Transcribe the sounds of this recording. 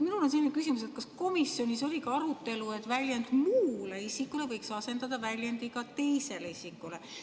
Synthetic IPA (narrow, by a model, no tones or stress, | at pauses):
minulo̞nselʲine̥kysimus̬e̞t̪̚kɑsko̞misjo̞nʲiso̞lʲikɑɑɾut̪ːe̞lue̞t̪ːˑvælʲjend̪̥muːleisikːˑule̞vɤjksɑse̞nd̪ɑd̪ɑvælʲjend̪ikɑt̪e̞jse̞leisikːˑule